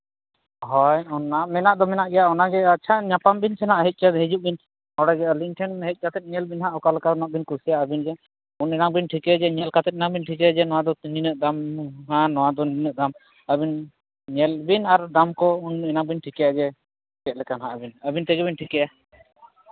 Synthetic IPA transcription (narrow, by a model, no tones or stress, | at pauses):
ɦɔjɔnamɛnaʔd̪ɔmɛnaʔɡɛjaɔnaɡɛat͡ʃʰaɲapambinsɛnaʔɦɛc̪̚ˀt͡ʃad̪ɦɛd͡ʒuʔ̚bin | hɔɽaɡɛɔlinʈʰɛnɦɛc̪̚t͡ʃat̪ɛt̪̚ɲɛlbinɦaʔɔkalɛkanaʔbinkuɾsijaʔəbind͡ʒɛ | unɛnaŋbinʈʰikɛd͡ʒɛɲɛlkat̪ɛt̪̚ɛnaŋbinʈʰikɛd͡ʒɛnɔwad̪ɔninəʔd̪amɦãnɔwad̪ɔninəʔd̪am | əbin | ɲɛlbinaɾd̪amkɔunɛnaŋbinʈʰikɛjad͡ʒɛ | kɛt̪̚ˀlɛkanɦaʔbinəbint̪ɛɡɛβinʈʰikɛja